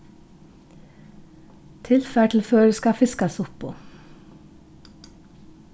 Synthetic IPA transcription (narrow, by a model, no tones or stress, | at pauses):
t̪ʰɪlfæːʈl̩føːɾəskɑfɪskɑsʊpʰːo̰ː